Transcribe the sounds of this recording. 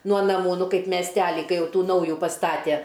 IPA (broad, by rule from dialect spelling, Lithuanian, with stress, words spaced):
nuɔ nɐˈmuː ˈnʊ ˈkɐɪp mʲɛsʲˈtʲæːlʲɪ ˈkɐɪ ˈjɛʊ ˈtuː ˈnɐʊjʊ pɐˈstɑːtʲæ